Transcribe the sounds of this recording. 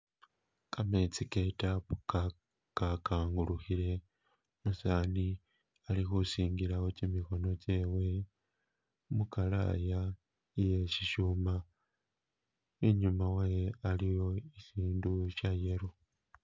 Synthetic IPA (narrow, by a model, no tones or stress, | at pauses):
kamet͡sike̞tapuka | kakaːŋɡuluxile̞ | musani | alixusiːŋɡilaocimiko̞no̞ce̞ːwe̞ | mukala̰ja | ije̞ʃiʃuma | eɲumawajealijo̞iʃiːnduʃaje̞ɾo